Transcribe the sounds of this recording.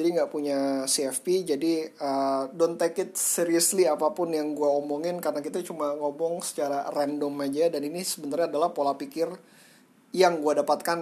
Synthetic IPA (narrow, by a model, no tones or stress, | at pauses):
d͡ʒadiŋɡaʔpuɲasiɛfpid͡ʒadiədɔnt̪akɪt̪̚siɾiusliapapʊnjaŋɡuaomɔŋɪnkaɾənakit̪at͡ʃumaŋɔbɔŋsə̥t͡ʃaɾarɛndɔmad͡ʒadaninisəbənt̪arɲaːdalahpolapikɪr | jaŋɡuadapat̪̚kan